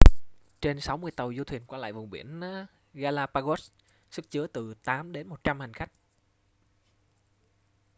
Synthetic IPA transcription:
t͡ɕe˧nsa˨˦wmɨ˧əjt̪ə˨˩wzu˧t̪ʰwi˨˩ənkwaː˧l̰ːjvʊ˨˩ŋ͡mɓḭ˧˩ən | ɣaː˧laː˧paː˧ɣo˦˥ | sɨ˦˥k̚t͡ɕɨ˨˦ət̪ɨ˨˩t̪aː˨˦mɗe˨˦nmo˨˩t̚t͡ɕa˧mha˨˩jŋ̟xa˦˥jk̟̚

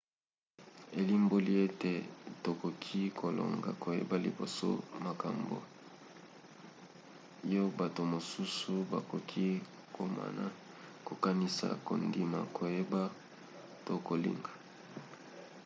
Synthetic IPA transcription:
e˨li˦mbo˦li˦e˦te˨to˨ko˨kʰi˦kʰo˨lo̰˨ŋɡa̰˨ko˨jḛ˦ba˦li˨bo̰˨so̰˦ma˨ka˨mbo̰˨ | jo˦ba˨to˨mo˨su˦su˦ba˨ko˨kʰi˦ | ko˨ma̰˨na˨ | ko˨ka˦ni˦sa̰˨ko˨ndi˨ma˨kʰo˨je˦ba˦ | to˦ko˨lḭ˦ŋɡa˨

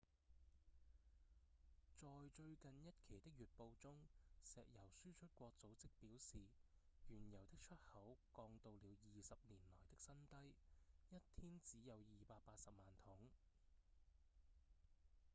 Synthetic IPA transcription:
t͡sɔː˨jt͡ʃɵ˧ɥkɐ˨njɐ˥t̚kʰe˨˩jt̪ɪ˥k̚jyː˨t̚po˧wt͡sʊ˥ŋsɛː˨k̚jɐ˨˩wsyː˥t͡ʃʰɵ˥t̚kʷɔː˧k̚t͡so˨˥wt͡sɪ˥k̚piː˨˥wsiː˨ | ɥyː˨˩njɐ˨˩wt̪ɪ˥k̚t͡ʃʰɵ˥t̚hɐ˨˥wkɔː˧ŋt̪o˨˧wliː˨˧wjiː˨sɐ˨p̚niː˨˩nlɔː˨˩jt̪ɪ˥k̚sɐ˥nt̪ɐ˥jjɐ˥t̚t̪ʰiː˥nt͡siː˨˥jɐ˨˧wjiː˨paː˧t̚paː˧t̚sɐ˨p̚maː˨˩nt̪ʰʊ˨˥ŋ

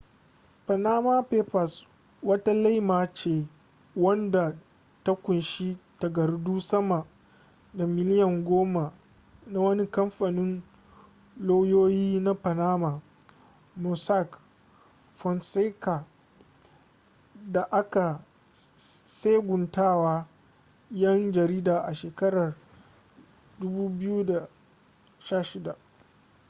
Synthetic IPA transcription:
pa˨naː˦maː˦peː˦ɸa˨s | wɐ˦ta˦la˦jmaː˨t͡ʃeː˨ | wɐ˦nda˨ | ta˦kʷʊ˨nʃi˦ta˨ɡɐ˨rduː˦sɐ˦ma˨ | da˨mɪ˦lɪ˦jɔ˨ŋɡʷoː˦ma˨ | na˦wɐ˦ni˦kɐ˦mɸa˨nɪ˦n | loː˦joː˦jiː˦na˦pa˨naː˦ma˨ | mu˨sa˦k | fɔ˨nse˦ka˨ | da˨ʔa˦ka˨ | se˦ɡʷʊ˨ntaː˦˨waː˦ | jɐ˦nd͡ʒɐ˨ɾiː˦daː˨ʔa˨ʃeː˨kɐ˦ɽɐ˨r | dʊ˦buː˦bɪ˦ju˦da˨ | ʃaː˦˨ʃɪ˦da˨ʔ

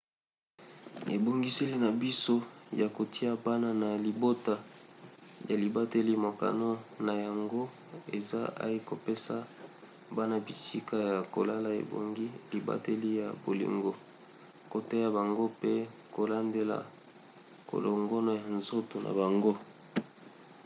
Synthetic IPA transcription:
e˨bo˨ŋɡi˦se˦li˦na˨bi˦so˦ja˨ko˨ti˦a˦ba˦na˦na˨li˨bo˦ta˨ | ja˨li˨ba˦te˦li˦mo˨ka̰˨no˦na˨ja˨ŋɡo˦ | e˨za˦a̰˦i˦ko˨pe˦sa˦ | ba˦na˦bi˨si˦ka˦ja˨ko̰˨la˦la˦ḛ˨bo̰˨ŋɡi˦li˨ba̰˦te˦li˦ja˨bo˨lḭ˨ŋɡo˦ | ko˨te˦ja˨ba˨ŋɡo˦pe˦ko˨la˦nde˦la̰˨ | ko̰˨lo˨ŋɡɔ˦no˦ja˨nzo˦to˨nʔa̰˨ba˨ŋɡo˦

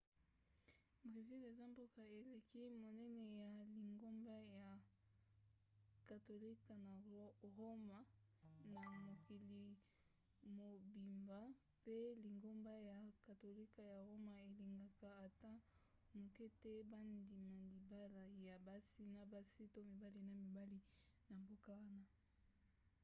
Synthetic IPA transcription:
bʁe˨zi˦le˨za˦mbo˦ka˨e˨le˨ki˦mo˨nɛ˦nɛ˨ja˨li˨ŋɡo˦mba˦ja˨ | ka˨to˨li˦ka˨na˨ʁo˦ma˨na˨mo˨ki˨li˨ | mo˨bi˨mba˨ | pe˦li˨ŋɡo˦mba˦ja˨ka˨to˨li˦ka˨ja˨ʁo˦ma˨e˨li˨ŋɡa˨ka˨a˨ta˦ | mo˨ke˦te˦ba˦ndi˨ma˨di˨ba˦la˨ja˨ba˦si˦na˦ba˦si˦to˦mi˨ba˦li˦na˨mi˨ba˦li˦ | na˨mbo˦ka˦wa˦na˦

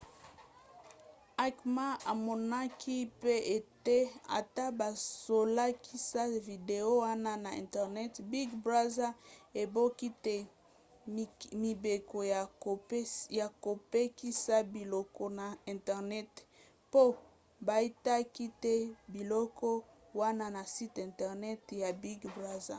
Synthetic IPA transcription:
a˨kma˦a˨mɔ˨na˦kʰi˦pe˦e˨te˦a̰˨ta˦ba˨so˨la˦kʰi˦sa˦vi˨de˨o˦wa˦na˦na˨ɛ̰̃˨tɛ˨ʁnɛ˦tbi˦ɡbʁa˦za˦e˨bo˦ki˦te˦˨ | mi˨be˨ko˨ja˨o˨˦ja˨ko˨pe˦ki˦sa˦bi˨lɔ˦kɔ˦na˨ɛ˨ntɛ˨ʁnɛ˦t | po˦ | ba˨i˦ta˦ki˦te˦bi˨lɔ˦kɔ˦ | wa˦na˦na˨si˦tɛ̃˨ntɛ˨ʁnɛ˦tja˨bi˦ɡbʁa˦za˨

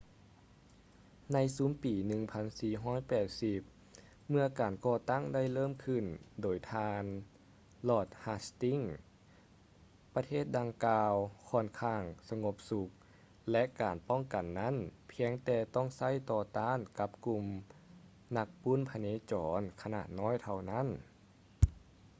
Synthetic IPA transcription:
na˧˥jsuː˨˦mpiː˨˩nɯ˧ŋpʰa˧˥nsiː˧ɦɔː˥˩˨jpɛː˨˩t̪̚si˧p̚ | mɯ˧ɐkaː˨˩nkɔː˧˩t̪a˥˨ŋda˥˨jlɤː˥˨mkʰɯ˧˩ndoː˨˩jt̪ʰaː˧n | lɔː˧˩t̪̚haː˧˥st̪i˧˥˨ŋ | pa˧t̪ʰeː˥˩t̪̚da˧ŋkaː˧wkʰɔː˧˩nkʰaː˧˩ŋsa˧ŋo˧˥p̚su˧˦k̚ | lɛ˧ʔkaː˨˩npɔ˥˩˨ŋka˨˩nːa˦˥˨npʰi˧əŋt̪ɛː˧t̪ɔ˥˩˨ŋsa˧˥˨jt̪ɔː˧t̪aː˧˥˨nka˧˦p̚ku˧m | na˧˥k̚pu˧˥˨npʰa˧neː˧˥˨t͡ɕɔː˨˦nkʰa˧na̰ː˧˩t̪̚nɔː˧˥˨jt̪ʰa˧wna˥˨n

